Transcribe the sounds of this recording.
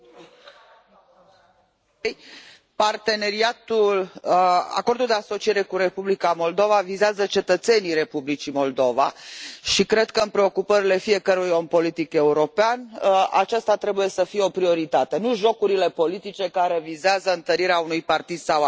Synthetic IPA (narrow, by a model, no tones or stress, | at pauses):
j | part̪e̞ne̞ɾiat̪ul | a̰ko̞rd̪uld̪easo̞t͡ʃije̞ɾe̞kuɾe̞publikamo̞ld̪o̞vavizeazət͡ʃe̞t̪ət̪se̞niɾe̞publit͡ʃimo̞ld̪o̞va̰ʃikɾe̞d̪̚kəɨnpɾe̞o̞kupəɾile̞fie̞kəɾujo̞mpo̞lit̪ike̞uɾo̞peana̰t͡ʃast̪at̪ɾe̞buje̞səfijeo̞pɾio̞ɾit̪at̪e̞nuʒo̞kuɾile̞po̞lit̪it͡ʃe̞kaɾe̞vizeazəɨnt̪əɾiɾeaunujpart̪id̪saw